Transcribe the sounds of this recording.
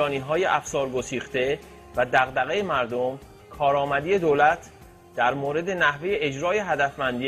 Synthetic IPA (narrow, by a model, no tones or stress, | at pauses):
ɒːniːɦɒːjeʔæfsɒːɾɡo̞siːxt̪e̞ | væd̪æɣd̪æɣe̞jemæɾd̪o̞m | kʰɒːɾɒːmæd̪ije̞d̪oːlæt̪ʰ | d̪̥æɾmoːɾe̞d̪e̞næhve̞jeed͡ʒɾɒːje̞ɦæd̪æfmænd̪i